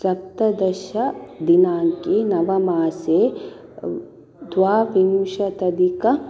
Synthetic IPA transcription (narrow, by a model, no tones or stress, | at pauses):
sɐp̚t̪ɐd̪ɐʃɐd̪inaːŋkenɐʋɐmaːseː | d̪ʋaːʋimʃɐt̪ɐd̪ikɐ